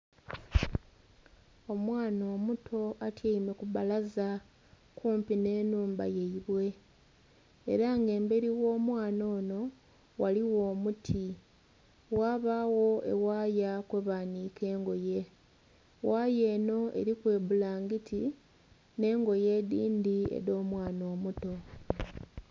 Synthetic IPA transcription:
o̞mwaːno̞ːmutʰo̞atjeime̞kuβalaza | kuːmpine̞ːnuːmba̰je̞iβwe̞ | ɾaŋɡe̞ːmbe̞ɾiwo̞ːmwaːno̞ːno̞ | waliwo̞ːmutʰi | waːβawo̞ʔe̞̰waːjakweβaːniːke̞ːŋɡo̞je̞ | waːje̞ːno̞ʔe̞̰ɾikwe̞ːβulaːŋɡitʰi | ne̞ːŋɡo̞je̞ːdiːndiḛɾo̞ːmwaːno̞ːmuto̞

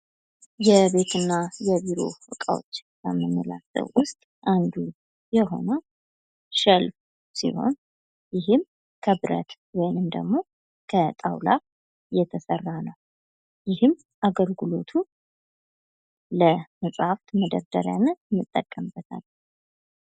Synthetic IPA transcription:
jɛβe̞t̪ʰɨnːajɛbiɾo̞̰wɨkʼa̰wo̰t͡ʃːbə̰məmːəla̰sə̰βwʊst̪ʼʔand̪u | jɛɦo̞̰nə | ʃəlf | sḭho̞̰n | jɪɦɨm | kʰəbɾə̰t̪ | wɔjnɨmd̪ə̰ɡmo̞ | kʰət̪ʼa̰wla | jɛt̪ʰəsərːanəw | jɪhɨm | ʔaɡəlɡɨlo̞t̪ʰu | ləməsʼaft̪məd̪əɾd̪əɾja̰nmːɨt̪ʼːəkʼːəmbət̪ʰa̰l

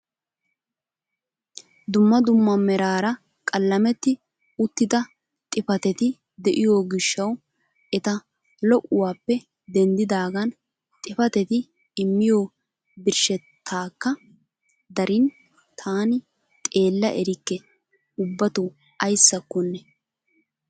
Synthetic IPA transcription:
d̪ʊmːɐd̪ʊmːɐmːɛɾaːɾɐ | kʼɐlːɐmɛt̪ːɪ | ʊt̪ːɪd̪ɐ | t̪ʼɪfɐt̪ɛt̪ɪ | d̪ɛʔɪjoːɡɪʃːɐw | ɛt̪ɐ | lɔʔʊwaːpːɛ | d̪ɛnd̪ɪd̪aːɡɐn | t̪ʼɪfɐt̪ɛt̪ɪː | mːɪjoː | bɪɾʃɛt̪ʰːaːkːɐ | d̪ɐɾɪn | t̪ʰaːnɪ | t̪ʼe̞ːlːɐ̰ʔɛɾɪkːɛ | ʊbːɐt̪ʊ | ɐjsːɐkːɔnːɛ

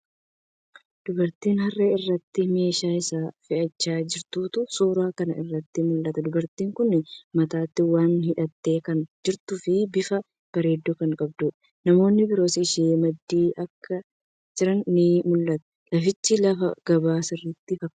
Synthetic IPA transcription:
d̪̥ʊbɐɾt̪iːnɦɐrːeɪrːɐt̪ːɪme̞ːʃaːɪsaːfɪʔɐt͡ʃːaːd͡ʒɪɾt̪uːt̪ʊsuːɾaːkɐnɐʔɪrːɐt̪ːɪmʊlːɐt̪ɐd̪ʊbɐɾt̪iːŋkʊnːɪmɐt̪aːt̪ːɪwaːnhɪᶑɐt̪ːe̞ːkɐnd͡ʒɪɾt̪ʊfɪbɪfɐ | b̥ɐɾe̞ːd̪ːuːkɐŋkʼɐb̚d̪uːᶑ | nɐmo̞ːnːɪbɪɾo̞ːsɪɪʃeːmɐd̪ːiːʔɐkʰːɐ | d͡ʒɪɾɐnːɪmʊlːɐt̪ɛ̥ | lɐfɪt͡ʃːɪlɐfɐɡ̥ɐbaːsɪrːɪt̪ːɪfɐkːɐ

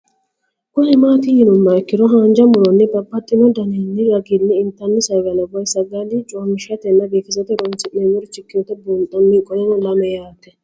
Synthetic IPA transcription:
kʼɔhɛmaːt̪ɪjɪnʊmːɐɛkːɪd̪ɔɦaːnd͡ʒɐmʊɾɔnːɛbɐbːɐt̪ʼːɪnɔd̪ɐnenːɪɾɐɡinːɛɪnt̪ːɐnːɪsɐjɡɐnɐbɔjsɐɡɐlit͡ʃʼoːmɪʃɐt̪ɛnːɐbeːkɪzɐt̪ɛɾɔnt͡ʃɪʔemʊɾɔt͡ʃːɪkːɪɔt̪ːɛbuːnt̪ʼːɐmːikʼɔjɛnɔlɐmɛjaːt̪ːɛ

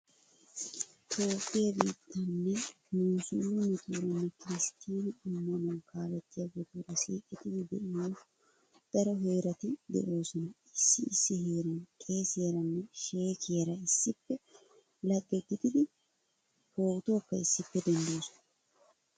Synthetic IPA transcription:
t̪ʰo̞ːpʼːɪjɐbiːt̪ːɐnːɛ | muːsʊlumɪt̪ʼuːɾɐnːɛkɪɾɪst̪ʰiːnɪʊmːɐnɐnkʰaːlɛt̪ːɪjaɡɔt̪oɾɐsiːkʼɛt̪ɪd̪ɪd̪ɛʔɪjɐ | d̪̥ɐɾɔɦe̞ːɾɐt̪ɪd̪ɛ̰ʔo̞ːsɔnɐ | ɪsːɪːsːɪheːɾɐnkʼe̞ːseːɾɐnːɛʃe̞ːkʰeːɾɐɪsːɪpːɛ | lɐɡːɛɡɪd̪ɪd̪ɪ | hoːwt̪oːkːɐɪsːɪpːɛd̪ɛnd̪o̞ːsʊ̥nɐɐ

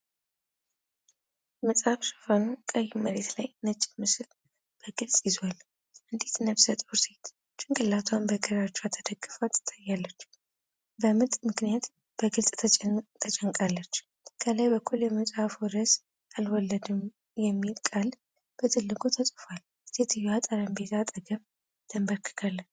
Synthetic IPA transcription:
jməsʼhafsɨ̥fanokʼəjːiməɾet̪lajnət͡ʃʼːɪmɨsɨl | b̥əɡɨlsʼjɪzwal | ʔɨnd̪et̪nəβsət̪ʼuset̪ʰ | t͡ʃːɪŋkʼɨlːat̪ʰwanbəɡəɾat͡ʃːɛwat̪ʰːəd̪əɡɨfat̪ʰːt̪ʼajːalːət͡ʃː | bəmɨt̪ʼmɨknijat̪ | b̥əɡɨlsʼʰt̪ʰət͡ʃʼəŋkʼalːət͡ʃː | kʰəlajbəkʰːuljɛməsʼafɔɾəs | alwɔlːəd̪ɨm | jɛmːilkʼal | b̥ət̪ʰɨlːɨɡʼot̪ʰəsʼfal | set̪ʰɨjat̪ʼəɾəmbe̞t̪ʰat̪ʼəɡəm | d̪̥ʰəmbəɾkʰɨ̥ɡʰalːət͡ʃː

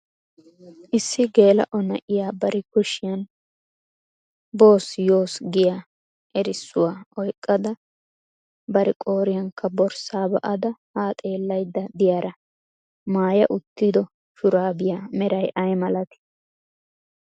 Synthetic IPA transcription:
ʔɪsːɪɡe̞ːlɐ̰ʔɔnɐ̰ʔɪjaːbɐɾʔɛkʊʃɪjɐn | bo̞ːsjo̞ːsɡɪja | ʔɛɾɪsːʊwaːɔjkʼːɐd̪ɐ | bɐɾɛkʼo̞ːɾɪjɐŋkːɐbɔɾsaːbɐ̰ʔɐd̪ɐhaːt̪ʼe̞ːlːɐjd̪ːɐd̪ɪjaːɾɐ | maːjɐ̰ʔʊt̪ːɪd̪ɔ | ʃʊɾaːbɪjaːmɛɾɐjʔɐjmɐlɐt̪ɪ̥

